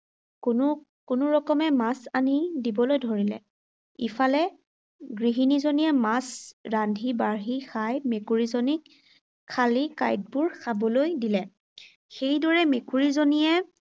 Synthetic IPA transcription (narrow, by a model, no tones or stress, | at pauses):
n | kʊnʊɹɔkɔmɛmasanidibɔlojdʱoɹilɛ̰ | ifalɛ | ɡɹiɦinizonijɛmasɹandʱibaɹɦixajmekuɹizɔnikʰː | alika̰jt̚bʊɹsabɔlojdilɛ | xejdɔɹɛmekuɹizonijɛ